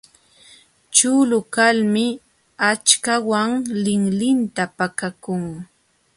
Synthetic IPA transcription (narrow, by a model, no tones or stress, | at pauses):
t͡ʃʊlʊkalmɪ | at͡ʃkawaŋlɪŋlɪnt̪apakakʊŋ